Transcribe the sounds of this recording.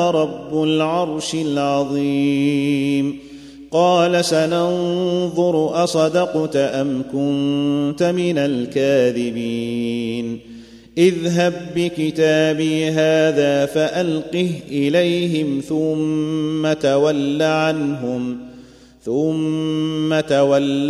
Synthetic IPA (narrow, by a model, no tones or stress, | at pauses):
ɾˤɑbːʊlʕɑɾˤʃɪlʕɑðˤi | m | qɑːlasanɑnðˤʊɾʔasˤɑd̪ɑqt̪ʔamkʊnt̪amɪnalkaːðɪbiːn | ʔɪðɦabːɪkɪt̪aːbiːɦaːðaːfaʔalqɪhʔɪlajɦɪmθʊmːat̪awalːaʕanɦʊm | θʊmː | at̪awalː